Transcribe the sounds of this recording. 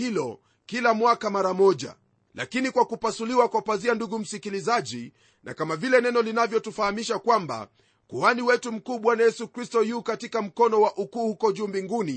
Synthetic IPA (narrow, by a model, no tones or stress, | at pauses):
ilɔ | kilamwakamaɾamɔʄa̰ | la̰kinikwakupasuliwakwapazianduɡum̩sikilizaʄi | nʔa̰kamavilɛnɛnɔlinavjɔtufahamiʃakwamba̰ | kuaniwɛtum̩kuːɓwanajɛsukɾistɔjuːkatikam̩kɔnɔwaʔukuːhukɔʄuːmbiŋɡuni